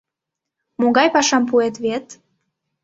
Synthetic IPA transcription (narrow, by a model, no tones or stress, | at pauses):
moɡɑjpɑʃɑmpuet̪βet̪